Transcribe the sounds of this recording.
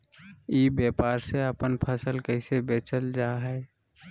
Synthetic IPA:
iːbjeːpaːɾseəpənpʰəsəlkəɪsebeːt͡ʃəld͡ʒaːɦɛː

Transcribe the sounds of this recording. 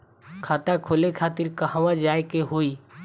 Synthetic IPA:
kʰaːt̪akʰoːlekʰaːt̪ɪɾkəɦaʋãd͡ʒaːkeɦoːi

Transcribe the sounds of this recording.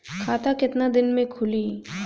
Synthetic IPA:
kʰaːt̪akɪt̪nad̪ɪnmẽkʰʊliː

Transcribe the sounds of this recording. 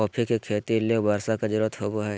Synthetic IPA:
ɔːpʰikekʰeːt̪ileobaːɾsakad͡ʒəɾuːɾət̪ɦoːboɦɛː

